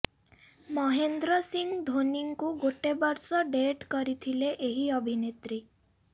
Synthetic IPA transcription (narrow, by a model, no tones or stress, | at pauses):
mɔɦend̪ɾɔsiŋɡd̪ʱoniŋkuɡoʈebɔɾsɔɖeʈkɔɾit̪ʰileʔeɦiɔbʱinet̪ɾi